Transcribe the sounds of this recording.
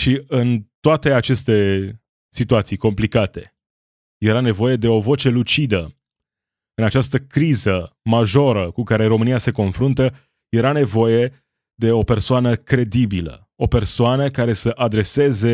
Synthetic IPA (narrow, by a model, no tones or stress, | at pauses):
ʃiɨnt̪oat̪e̞at͡ʃe̞st̪e̞ | sit̪uat̪sijko̞mplikat̪e̞ | je̞ɾane̞vo̞je̞d̪e̞o̞vo̞t͡ʃe̞lut͡ʃid̪ə | ɨnat͡ʃast̪əkɾizəmaʒo̞ɾəkukaɾe̞ɾo̞mɨniase̞ko̞nfɾunt̪ə | je̞ɾane̞vo̞je̞ | d̪e̞o̞pe̞rsoanəkɾe̞d̪ibilə̰ | o̞pe̞rsoanəkaɾe̞səʔad̪ɾe̞se̞ze̞